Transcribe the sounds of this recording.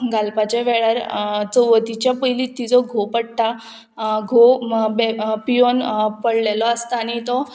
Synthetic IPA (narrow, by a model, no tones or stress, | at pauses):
ɡalpat͡ɕaʋeɭaɾt͡sɔʋəd̪it͡ɕjapəjlit̪ːid͡zɔɡʱopəɽʈ̪a | ɡʱobepijonpəɽlelɔəst̪aañit̪ɔ